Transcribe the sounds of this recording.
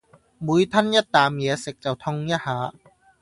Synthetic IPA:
bu˨˦jt̪ʰa˧˥˨nja˧˥˩t̪ːaː˨˦mi˨˦se˨˩k̚t͡ɕa˨˩wt̪ʰɔ˧ŋja˧˥˩haː˨˦

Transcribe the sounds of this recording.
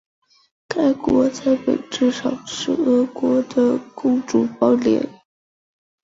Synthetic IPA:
ka˥ɪkwɔ˧˥t͡sa˥˩ɪpe˨˩ɪʈ͡ʂɻ̩˥˩ʂɑ˨˩ŋʂɻ̩˥˩ɤ˧˥kwɔ˧˥d̪ə˨kʊ˥˧ŋʈ͡ʂu˨˩pɑ˥˩ʊljɛ̰˧˥n

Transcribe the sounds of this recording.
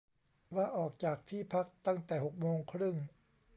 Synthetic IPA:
waː˧˩ʔɔː˨˩k̚t͡ɕaː˨˩k̚t̪ʰiː˥˩pʰa˦˥k̚t̪a˥˩ŋt̪ɛː˨˩ho˨˩k̚moː˧ŋkʰɾɯ˥˩ŋ

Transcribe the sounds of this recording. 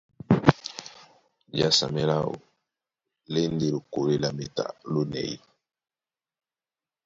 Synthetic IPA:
d͡ʒa˦sa̰˨me˦la˦o̰˨ | le˦nde˨lo˨ko˨we˦la˨me˨ta̰˨lo˦nɛ̰˨jḭ˦

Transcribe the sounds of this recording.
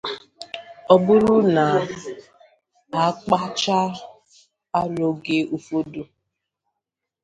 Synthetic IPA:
ɔ˨bʊ˦ɾʊ˦na˨ | a˨˦k͡pa˦t͡ʃa˦ | a˦ɾo˨ɡe˦ʔu˦fo˦du˦

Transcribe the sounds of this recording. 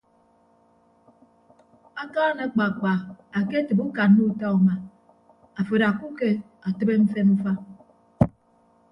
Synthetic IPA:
a˦kaː˦na˨˦k͡pa˨k͡pa˨a˨ke˦tɨ˨bu˦ka˨n˦nu˦ta˦u˨ma˨ | a˨fe˨ɾa˨ku˦ke˦ | a˨tɨ˦be˦m̩˦fe˦nm̩˦fa˦

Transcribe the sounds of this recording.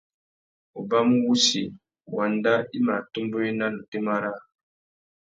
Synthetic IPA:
o˨ba˦m˦wu˦si˨ | wa˨nda˦i˦ma˨tu˦mbo˦i˦na˦lu˨te˦ma˦ɾa˦

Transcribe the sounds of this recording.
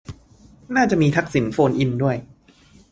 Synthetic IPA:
naː˥˩t͡ɕa˨˩ʔmiː˧t̪ʰa˦˥k̚si˩˦nfoː˧nʔi˧ndu˥˩əj

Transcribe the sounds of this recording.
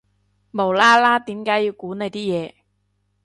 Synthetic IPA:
mo˨˩wlaː˥laː˥t̪iː˨˥mkaː˨˥ji˧wkuː˨˥ne˨˧jt̪iː˥jɛː˨˧

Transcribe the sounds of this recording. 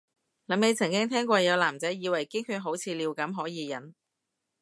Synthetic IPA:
lɐ˨˥me˨˧jt͡sʰɐ˨˩ŋkɪ˥ŋt̪ʰɛː˥ŋkʷɔː˧jɐ˨˧wlaː˨˩mt͡sɐ˨˥jjiː˨˧wɐ˨˩jkɪ˥ŋkyː˧ɦo˨˥wt͡sʰiː˨˧liː˨˧wkɐ˨˥mɦɔː˨˥jiː˨˧jɐ̰˨˥n

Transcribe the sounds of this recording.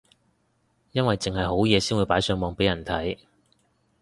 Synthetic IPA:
jɐ˥nwɐ˨jt͡sɪ˨ŋɦɐ˨jɦo˨˥wjɛː˨˧siː˥nwuː˨˧jpaː˨˥jsœː˨˧ŋmɔː˨˧ŋpe˨˥jɐ˨˩nt̪ʰɐ̰˨˥j

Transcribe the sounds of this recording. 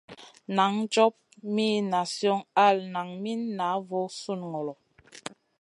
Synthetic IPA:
na˨˦ŋd͡ʒɔ˦p̚mi˦na˨sjɔ˦ŋa˦˨lna˨ŋmi˦nːa˨˦vɔ˨˦su˦˨nŋɔ˨lɔ˨

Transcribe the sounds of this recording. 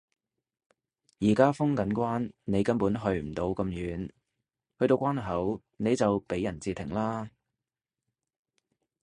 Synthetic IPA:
jiː˨˩kaː˥fʊ˥ŋkɐ˨˥nkʷaː˥nne˨˧jkɐ˥npuː˨˥nɦɵ˧ɥm̩˨˩t̪o˧wkɐ˧mjyː˨˧n | hɵ˧t̪o˧wkʷaː˥nɦɐ˨˥w | ne˨˧jt͡sɐ˨wpe˨˥jːɐ˨˩nt͡siː˨˧t̪ʰɪ˨˩ŋlaː˥

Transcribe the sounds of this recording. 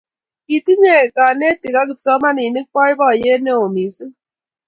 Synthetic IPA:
ki˨ti˦ɲe˦˨ka˨ne˦ti˨ka˦k̬i˨p̚sɔ˦ma˦ni˨ni˦k̚k͡pɔ˦i˦bɔ˦˨je˦ne˦o˨mi˨si˦

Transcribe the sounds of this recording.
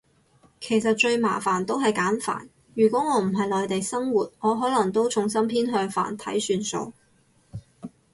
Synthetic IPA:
kʰe˨˩jsɐ˨t̚t͡ʃɵ˧ɥmaː˨˩fa̰ː˨˩nt̪o˥wɦɐ˨jkaː˨˥nfa̰ː˨˩n | jyː˨˩kʷɔː˨˥ŋɔː˨˧m̩˨˩ɦɐ˨jlɔː˨jt̪e˨jsɐ˥ŋwuː˨˩t̚ŋɔː˨˧ɦɔː˨˥lɐ˨˩ŋt̪o˥wt͡sʰʊ˨˩ŋsɐ˥mpʰiː˥nɦœː˧ŋfa̰ː˨˩nt̪ʰɐ̰˨˥jsyː˨˧nso̰˧w

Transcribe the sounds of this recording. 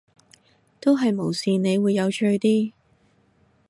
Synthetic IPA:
t̪o˥wɦɐ˨jmo˨˩wsiː˨ne˨˧jwuː˨˧jːɐ˨˧wt͡ʃʰɵ˧t̪iː˥

